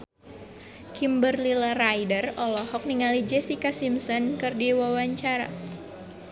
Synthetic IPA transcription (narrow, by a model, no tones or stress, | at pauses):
kimbərlilarajdərɔlɔhɔk̚niŋalid͡ʒɛsikasimsɔnkɨrdiwawaɲt͡ʃaɾa̰